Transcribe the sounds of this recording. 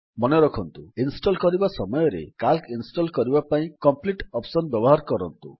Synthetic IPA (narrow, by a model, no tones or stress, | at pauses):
mɔneɾɔkʰɔnt̪uinsʈɔlkɔɾibasɔmɔjɔɾḛkalkinsʈɔlkɔɾibapaĩkɔmpliʈɔpsɔnbjɔbɔɦaɾkɔɾɔnt̪ṵ